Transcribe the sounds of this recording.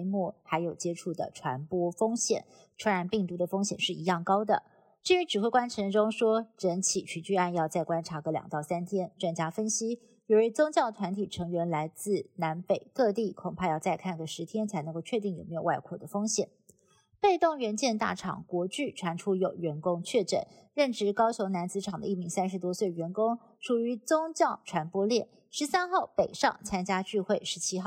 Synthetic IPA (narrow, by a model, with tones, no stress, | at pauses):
mɔ˥˩xa˧˥ɪjo˨˩ʊt͡ɕjɛ˥ʈ͡ʂʰu˥˩d̪ə̰˩ʈ͡ʂʰwa˧˥npwɔ˥fɤ˥ŋɕjɛ̰˨˩˦n | t͡sʰwɛ˧˥ɻa˧˥npi˥˩ŋt̪u˧˥d̪ə˨˧fɤ˥ŋɕjɛ˨˩nʂɻ̩˥˩i˧˥jɑ˥˩ŋkɑ˥ʊd̪ə˨ | t͡ɕi˥ɻy˧˥ʈ͡ʂɻ̩˨˩xwe˥ɪkwa˥nʈ͡ʂʰɤ˧˥ŋʈ͡ʂʊ˥ŋʂwɔ˥ʈ͡ʂə˧˥nt͡ɕʰi˨˩t͡ɕʰy˧˥t͡ɕy˥˧a˥˧njɑ˥˧ʊt͡sa˥˩ɪkwa˥nʈ͡ʂʰa˧˥ɡə˧˦ljɑ̰˨˩ŋt̪ɑ˥˩ʊsa˥nt̪ʰjɛ˥nʈ͡ʂwa˥˧nt͡ɕja˥fə˥nɕi˥ | jo˧˩ə˧˥t͡sʊ˥ŋt͡ɕjɑ˥˩ʊt̪ʰwa˧˥nt̪ʰi˨˩ʈ͡ʂʰɤ˧˥ŋɥɛ˧˥nla˧˥ɪt͡sɹ̩˥˩na˧˥npe˨˩ɪkɤ˥˧t̪i˥˩kʰʊ˨˩ŋpʰa˥˧jɑ˥˧ʊt͡sa˥˧ɪkʰa˥˩nɡə˩ʂɻ̩˧˥t̪ʰjɛ˥nt͡sʰa˧˥ɪnɤ˧˥ŋko˥˧ʊt͡ɕʰɥɛ˥˧t̪i˥˩ŋjo˨˩ʊme˧˥jwa˥˧ɪkʰwɔ˥˩d̪ə˩fo˥ŋɕjɛ̰˨˩˦n | pe˥˧ɪt̪ʊ˥˩ŋɥɛ˧˥nt͡ɕjɛ˥˧nt̪a̰˥˩ʈ͡ʂʰɑ̰˨˩ŋkwɔ˧˥t͡ɕy˥˩ʈ͡ʂʰwa˧˥nʈ͡ʂʰu˥jo˨˩ʊɥɛ˧˥nkʊ˥ŋt͡ɕʰɥɛ˥˩ʈ͡ʂə̰˨˩˦nɻə˥˩nʈ͡ʂɻ̩˧˥kɑ˥ʊɕo˧˥ʊna˧˥nt͡sɹ̩˥ʈ͡ʂʰɑ˨˩ŋd̪ə˦i˥˩mi˧˥ŋsa˥nʂɻ̩˧˥t̪wɔ˥swe˥˩ɪɥɛ˧˥nkʊ˥ŋ | ʂʰu˨˩y˧˥t͡sʊ˥ŋt͡ɕjɑ˥˩ʊʈ͡ʂʰwa˧˥npwɔ˥ljɛ˥˩n | ʂɻ̩˧˥sa˥nxɑ˥˩ʊpe˨˩ɪʂɑ̰˥˩ŋt͡sʰa˥nt͡ɕja˥t͡ɕy˥˧xwe˥˩ɪʂɻ̩˧˥t͡ɕʰi˥xɑ˥˩ʊ